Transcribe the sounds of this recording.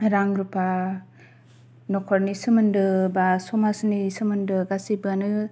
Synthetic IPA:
ɾaŋɾupa | nɔkʰɔɾnisɯmɯndɯbasɔmasnisɯmɯndɯɡasibɯnɯ

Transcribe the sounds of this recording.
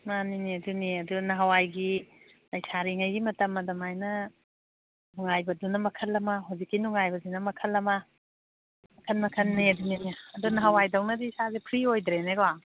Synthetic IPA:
naniniɐduniɐduɡnɐɦawajɡi | lɐjsʰaɾiŋɐjɡimɐtɐmːɐdɐmajnɐ | nuŋajbɐdunɐmɐkʰɐlːɐmaɦawzikːinuŋajbɐzinɐmɐkʰɐlːɐma | mɐkʰɐnmɐkʰɐnːiɐduniniaːdunɐɦɐwajdɐwnɐdiːsazepʰɾiojdɾeneɡwa

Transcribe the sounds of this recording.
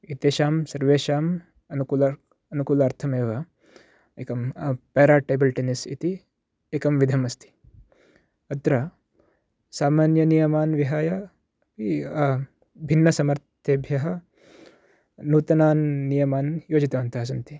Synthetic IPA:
it̪eːʃaːmsɐɾʋeːʃaːm | ɐnukuːlɐ | ɐnukuːlaːɾt̪ʰɐmeːʋɐ | eːkɐmpeːɾaːʈeːbɐlʈenisḭt̪i | eːkɐmʋid̪ʱɐmɐst̪ʰi̥ | ɐt̪ɾɐ | saːmaːnjɐnijɐmaːnʋiɦaːjɐ | pi | bʱinːɐsɐmɐɾt̪ʰeːbʱjɐɦɐ | nuːt̪ɐnaːnːijɐmaːnjoːd͡ʒit̪ɐʋɐnt̪ɐɦɐs̬ɐnt̪i

